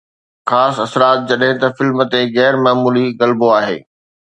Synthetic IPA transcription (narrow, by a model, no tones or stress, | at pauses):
xaːsɐsɾaːt̪̚d͡ʑɐɗɦɪ̃t̪ɐfɪlmt̪eɣɛːɾmaːmuːliɣɐlboaːɦḛː